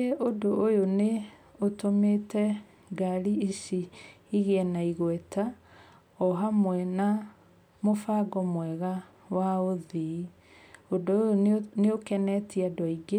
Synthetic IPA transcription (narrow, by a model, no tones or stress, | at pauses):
eʔodoʔojone | otometɛ | ɡaɾiisi | iɣeɛnaiɣwɛtʰa | ɔɦamwɛna | mofaɡɔmwɛɣa | waoði | odoojoneokɛnɛtʰiadwɔiɡe